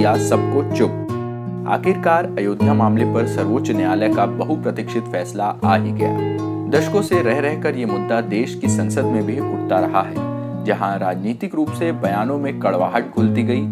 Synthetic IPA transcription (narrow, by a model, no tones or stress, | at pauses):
jasɐb̚kot͡ʃʊp̚ | a̰ːkɪɾkaːɾɐjoːd̪ʱjamaːmlepɐɾsɐɾʋoːt͡ʃneaːlekabɐɦupɾɐt̪ɪkʃɪt̪fɛːslaaːɦiɡɐja̰ːd̪ɐʃkõseɾɛɦɾɛɦkɐɾjemʊd̪ːad̪eːʃkisɐ̃nsəd̪mẽbʱiʊʈ̚ʰt̪aɾɐɦaɦɛ̰ː | d͡ʒɐɦãɾaːd͡ʒniːt̪ɪkɾuːpsebɐjaːnõmẽkɐɭʋaːɦəʈ̚ɡʱʊlt̪iɡɐiː